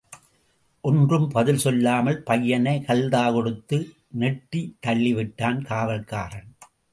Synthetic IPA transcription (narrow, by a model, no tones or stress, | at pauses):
ʔɔndrɯmpɐðɪlsɔlːaːmɐlpɐjːɐnɐɪkɐld̪aːkɔɽɯt̪ːɯ | nɛʈːit̪ːɐɭːɪʋɪʈːaːnkaːʋɐlka̰ːɾɐn